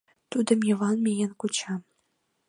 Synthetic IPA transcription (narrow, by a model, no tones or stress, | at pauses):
t̪ud̪ə̆mjɤ̆vɑnmʲejenkut͡ɕɑm